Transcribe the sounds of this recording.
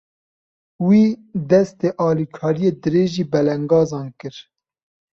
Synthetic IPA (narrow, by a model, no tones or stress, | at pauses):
wiːd̪ɛst̪eːʔɑːlikʰɑːɾijeːd̪ɨɾeːʒiːbɛlɛŋɡɑːzɑːnkɨɾ